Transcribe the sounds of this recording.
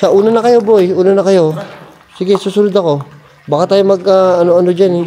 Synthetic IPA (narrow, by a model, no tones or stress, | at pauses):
sɐʔuːnɐnɐkɐjo̞bo̞juːnɐnɐkɐjo̞ | sɪɡɛsuːsʊnʊd̪ɐko̞ | baːkat̪aːjomɐɡ̚aɐno̞ɐno̞d͡ʒanɛ